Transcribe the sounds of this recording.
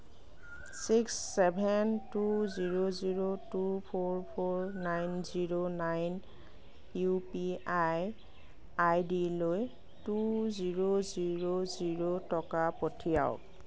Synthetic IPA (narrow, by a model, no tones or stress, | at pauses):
siksːɛbʱɛntuziɹoziɹotupʰoɹpʰoɹnajnziɹonajn | jupiaj | ajdiloj | tuziɹoziɹoziɹotɔkapotʰija̰ʊ̰k